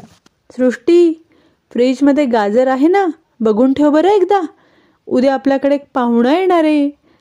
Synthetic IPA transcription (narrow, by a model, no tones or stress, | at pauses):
sɾuʂʈiː | fɾid͡ʑməd̪ʱːjeɡad͡zəɾaɦena | bəɡʱuːnʈʰeʋbəɾəek̚d̪a | ud̪ʱeapljakəɽeːk̚pãwuɽəjeɽ̃aɾe